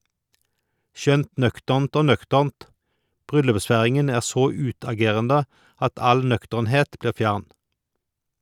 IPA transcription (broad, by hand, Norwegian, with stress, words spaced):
ˈʃœnt ˈnœktəʁnt ˈoː ˈnœktəʁnt ˈbʁʏlʉpˌsfæʁɪŋən ˈæːʁ ˈsoː ˈʉːtɑˌɡeːʁəndə ˈɑt ˈɑl ˈnœktəʁnˌheːt ˈbliːʁ ˈfjæʁn